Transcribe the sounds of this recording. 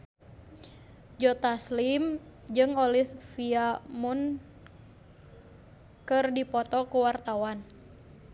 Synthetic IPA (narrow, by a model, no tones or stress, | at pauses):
d͡ʒɔt̪aslimd͡ʒɨŋɔliθfiamun | kɨrdipɔt̪ɔkuwart̪awan